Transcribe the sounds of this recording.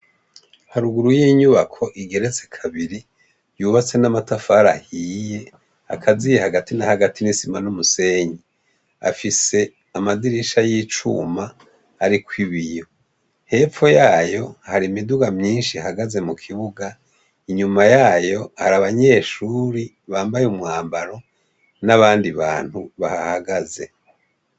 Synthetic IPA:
haɾuɡuɾujiːɲuβakʰo̞ʔiɡe̞ɾe̞t͡se̞kʰaβiɾi | juːβat͡se̞namatafaːɾahije̞ | a̰kʰazijehaɡatinahaɡatinisimanumuse̞ɲi | a̰fise̞ | amadiɾiʃajit͡ʃṵma | haɾikwiβijo̞ | he̞ːfo̞jaːjo̞haɾimiduɡamɲiːnʃihaɡaze̞mukʰiβuɡa | iɲumajaːjo̞haɾaβaɲe̞ːʃuɾi | βaːmbajumŋaːmbaɾo̞ | naβaːndiβa̰ːn̥huβa̰hahaɡaze̞̰

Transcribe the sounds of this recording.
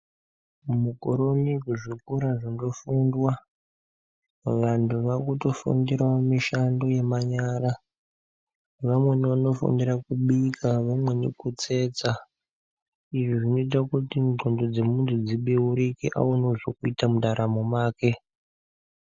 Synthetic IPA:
mukoɾo̞nikuʐikuɾaʐindo̞fundwa | ʋantʰuʋakuto̞fṵndirwamiʃando̞jemaɲaːɾa | ʋamwe̞niʋano̞fṵndirakuɓikʰaʋamwe̞nḭkut͡se̞ːt͡sa | iʐiʐino̞it̬akutinŋ͡ǃo̞ndod͡ze̞muntʰud͡ziɓeuɾikḭʔa̰wonoʐokuitamuɗaɾamomaːke̞

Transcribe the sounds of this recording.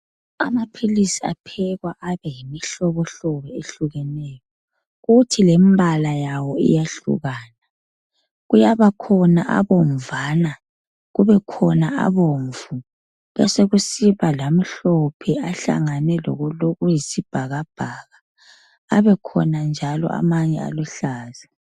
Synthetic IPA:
a̰mapʰilisia̰pʰɛɣwaʔaβɛjimiɬɔβɔɬɔβɛeɬuɣɛnɛjɔ | ɣutʰilembʱalajawɔḭjaɬṵɣaːna | ɣujaβakʰɔna̰ʔa̰βɔɱvaːna | ɣuβɛkʰɔnaa̰βoɱvu | βɛseɣusiβalam̩ɬɔpʰɛaɬa̰ŋanɛlɔ̰ɣɔloɣujisib̥ʱaɣab̥ʱaɣaː | βɛkʰɔ̰nand͡ʒʱalɔ̰ʔa̰maɲɛa̰luɬaːza

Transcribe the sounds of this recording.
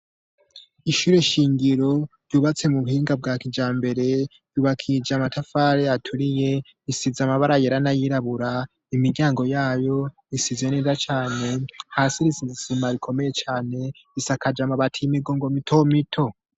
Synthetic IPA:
iʃuɾe̞ʃiːŋɡiɾo̞ɾjuβat͡se̞muβuhiːŋɡab̚ɡaːkid͡ʒaːmbe̞ɾe̞ | juːβakʰid͡ʒamatafaɾeatʰuɾije̞ | isizamaβaɾajeɾanajiɾaβuɾa | imiɾɟaːŋɡo̞jaːjo̞ | isize̞neːzat͡ʃaːne̞haːsiɾisizisimaɾikʰo̞me̞je̞t͡ʃaːne̞ | isakad͡ʒamaβatʰimiɡoŋɡo̞mitʰo̞mitʰo̞

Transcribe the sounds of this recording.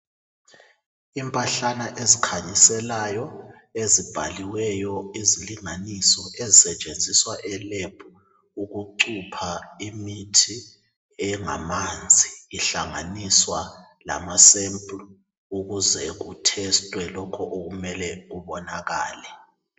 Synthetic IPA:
impʼaɬanaʔezikʰaɲisɛlajɔ | ezib̥ʱa̰liwɛjɔiziliŋanisɔʔezisɛt͡ʃʼend͡zʱiswaʔɛleb̥ʰʼu | uɣuǀupʰaimitʰi | ɛŋa̰mand͡zʱiːɬaŋa̰niswa | la̰masɛmpʼlɔ | uɣuzɛɣutʰɛstʼwɛlɔkʰɔʔoɣumɛlɛɣuβɔnaɣa̰ːlɛ

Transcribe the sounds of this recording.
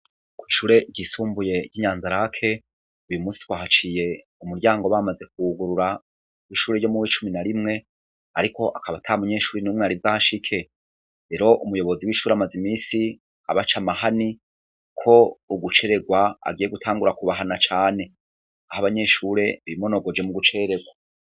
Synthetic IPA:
kwiʃuɾe̞ɟisuːmbuje̞ɟiːɲaːnzaɾakʰe̞ | ujumuːsi̥twaːhat͡ʃije̞ | umuɾɟaːŋɡoβamaze̞k̚uɡuɾuɾa | wiʃuːɾejo̞muwit͡ʃuminaɾimŋe̞ | aɾiko̞ʔakʰaβatʰaamuɲe̞ʃuːɾinumŋweaɾizaʃikʰe̞ | ɾe̞ɾo̞ʔumujo̞βo̞ziwiːʃuːɾeamazimiːsi | a̰βat͡ʃamahani | kʰo̞uɡut͡ʃe̞ɾe̞ɡwaa̰ɡije̞ɡutʰaːŋɡuɾakuβaɦanat͡ʃaːne̞ | ahaβaɲe̞ʃuɾe̞βimo̞no̞ɡo̞d͡ʒe̞muɡut͡ʃeeɾe̞ɡwa

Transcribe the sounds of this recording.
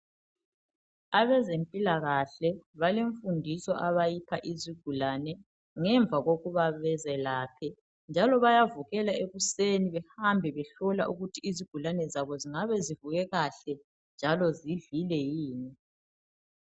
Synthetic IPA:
aβɛzempʼilaɣaɬɛβaleɱfundʱisɔʔaβajipʰaʔiziɡ̥ʱulanɛ | ŋɛɱb̪vʱaɣoɣuβaβɛzɛlaːpʰɛ | nd͡ʒʱalɔβajavuɣɛlaeɣuseniβɛhambʱɛβɛɬɔla̰ʔuɣutʰiːziɡ̥ʱulanɛzaβɔziŋaβɛzivuɣɛɣaɬɛ | nd͡ʒʱalɔziɮilɛjiːni

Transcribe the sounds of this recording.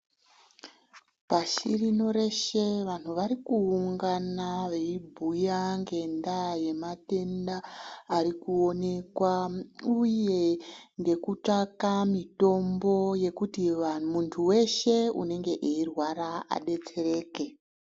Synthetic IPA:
paʃirino̞ɾe̞ʃe̞ʋan̤uʋaɾikuuŋɡanaʋe̞ibʱujaŋɡe̞ndaje̞mate̞ndaːɾikuo̞ne̞kwauje̞ŋɡe̞kut͡ʂakamito̞mbo̞je̞kutimuntʰuwe̞ʃe̞ṵne̞ŋɡe̞ʔeirwaɾaa̰ɗe̞t͡se̞ɾe̞ːke̞

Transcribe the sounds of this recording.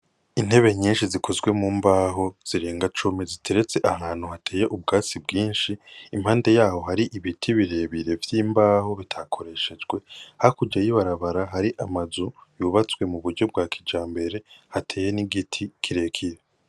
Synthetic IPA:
in̥he̞βe̞ɲiːnʃizikʰo̞zɡwe̞mumbaːɦo̞z̥iɾeːŋɡat͡ʃumizitʰe̞ɾe̞t͡se̞ʔaɦaːn̥uhatʰe̞ːje̞ʔub̚ɡaːt͡sib̚ɡiːnʃiːm̥haːnde̞jaːho̞ɦaɾiʔiβitʰiβiɾe̞ːβiɾe̞vjiːmbaːho̞βitʰakʰo̞ɾe̞ʃe̞d͡ʒɡwe̞hakud͡ʒajiβaɾaβaɾaɦaɾiʔamazujuːβat͡swe̞muβuɾɟo̞b̚ɡaːkʰid͡ʒaːmbe̞ɾe̞hatʰeːje̞niɡitʰikʰiɾe̞ːkʰiɾe

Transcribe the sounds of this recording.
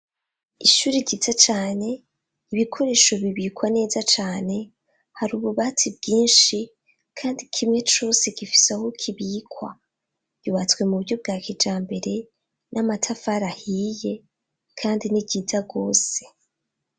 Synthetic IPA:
iʃuːɾiɟitat͡ʃaːne̞ | iβikʰo̞ɾe̞ːʃo̞βiβiːkwane̞ːzat͡ʃaːne̞ | haɾuːβuβatibɡiːnʃi | kʰaːndikʰimŋe̞t͡ʃo̞ːse̞ɡifi̥sehokʰiβiːkwa̰ | ɟ̥uβat͡skwe̞muβuɾɟo̞b̚ɡaːkʰid͡ʒaːmbe̞ɾe̞ | namatʰafaɾahiːje̞ | kʰaːndiniɟiːtaɡo̞ːse̞̥

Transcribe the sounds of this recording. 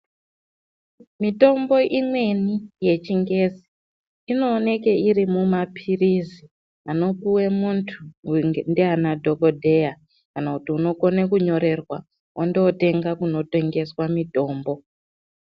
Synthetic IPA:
mito̞mbo̞ʔimwe̞nije̞t͡ʃiŋɡe̞zi̥ | ino̞ːne̞ke̞iɾimumapʰirizi | ano̞puwe̞muntʰundeanadʱo̞ko̞dʱe̞ja | kanakutiuno̞ko̞nekuɲo̞ɾe̞rwa | ʔondeote̞ŋɡakuno̞te̞ŋɡe̞swamito̞ːmbo̞

